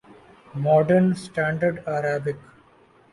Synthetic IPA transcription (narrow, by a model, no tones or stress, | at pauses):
mɔːɖəɾnsʈæ̃ːɳɖəɾɖæɾaːbɪk